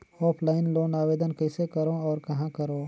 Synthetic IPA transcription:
ɔːpʰlaːɪnloːnaːʋeːd̪ənkɛːsekɐɾõɔːɾkɐɦãkɐɾõː

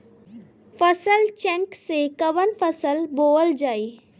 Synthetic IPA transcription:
fəsəlt͡ʃɛ̃ŋksekɐʋənfəsəlboːld͡ʒaːe

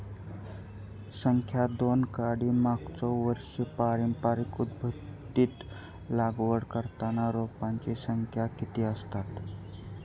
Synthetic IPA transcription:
səŋkʰjad̪onkaɽimakt͡sɔʋəɾʂipaɾimpaɾikud̪bʱət̪ːit̪ | laɡʋəɽkəɾt̪anaɾopãnt͡ɕisəŋkʰjakit̪iəst̪at̪

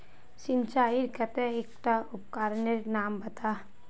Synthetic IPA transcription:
sɪnt͡ʃaːiɾkɐt̪eeːkʈaʊpkaːɾneɾnaːmbɐt̪aː

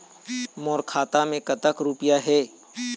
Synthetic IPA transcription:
mɔːɾkʰaːt̪amẽkɐt̪əkɾupjaɦɛː

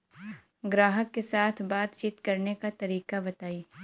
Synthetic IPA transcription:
ɡɾaːɦəkːesaːt̪ʰbaːt̪t͡ʃiːt̪kɐɾnekat̪ɐɾiːkabɐt̪aːiː

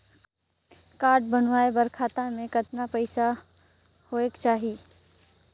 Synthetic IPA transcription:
kaːɾɖ̚bɐn̤ʋaːebɐɾkʰaːt̪amẽkɐt̪napəɪsa | hoːekt͡ʃaːɦi

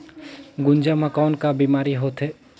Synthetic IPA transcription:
ɡʊnd͡ʒamãkɔːnkabiːmaːɾiɦoːt̪ɦɛː

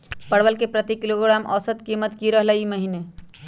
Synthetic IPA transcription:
pəɽʋəlkepɾət̪ikiloɡɾamʔɔ̰sət̪kimət̪kiɾəɦləiməɦine

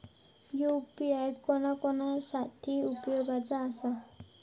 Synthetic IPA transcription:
joupiajɖkɔnʌkɔnʌsat̪ʰiupjoɡat͡sʌːsʌ

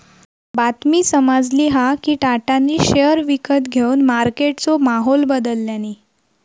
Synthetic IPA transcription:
bat̪miːsəmad͡zliːɦakiːʈaʈanːiːɕejəɾʋikət̪ɡʱeuːnmaɾkeʈt͡somaɦolbəd̪əlːjaniː

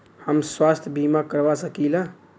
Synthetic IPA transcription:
həmswast̪ʰjəbʱimakəɾʋasəkilã

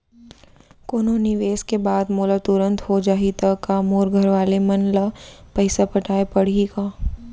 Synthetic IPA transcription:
koːnonɪʋeːskebaːd̪moːlat̪ʊɾə̃nt̪ɦod͡ʒaːɦit̪ɐkamoːɾɡʱəɾʋaːlemɐnlapəɪsapɐʈʰaːepɐɽ̤ikaː

